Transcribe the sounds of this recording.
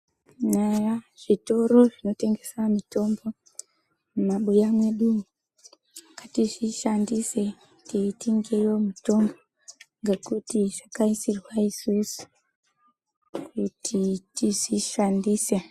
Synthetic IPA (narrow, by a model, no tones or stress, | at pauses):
najaʐ̥ito̞ɾo̞ʐino̞te̞ŋɡe̞samito̞mbo̞ | mumaɓujamwe̞ɗu | akatiʐiʃandise̞ | tiitiŋɡejo̞mito̞mbo̞ | ŋɡekutiʐakaisirwaiswisu̥ | kutʰitiziʃandise